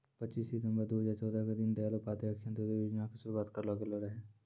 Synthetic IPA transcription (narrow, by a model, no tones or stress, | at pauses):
pətːt͡ʃiːsɪt̪ə̃mbəɾd̪oɦəzaːɾt͡ʃɔːd̪aked̪ɪnd̪ealopaːt̪əkʃʰə̃nt̪od̪eʋɪd͡ʒnãkesʊɾuwaːt̪kəɾlaːɡəloɾəɦeː